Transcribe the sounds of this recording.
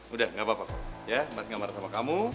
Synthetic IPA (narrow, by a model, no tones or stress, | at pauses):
udahŋɡaʔbapako̰jamasiŋɡaʔmaɾasamakamu